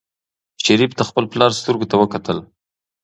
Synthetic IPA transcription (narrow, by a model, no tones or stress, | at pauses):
ʃaɾipt̪axpəlplɑɾst̪əɾɡot̪awəkat̪əl